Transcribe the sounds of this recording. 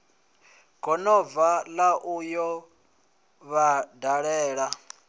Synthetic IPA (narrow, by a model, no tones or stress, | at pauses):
kʼɔnɔvalaʔujɔ | βadaɺɛːɺa